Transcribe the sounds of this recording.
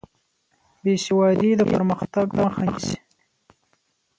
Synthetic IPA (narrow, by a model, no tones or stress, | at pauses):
beʃiwɑd̪id̪əpəɾməxt̪aɡd̪axas